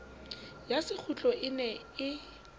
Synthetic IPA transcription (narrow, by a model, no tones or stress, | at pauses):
jasɪk͡xʰut͡ɬʼɔɪnɛ | ɪ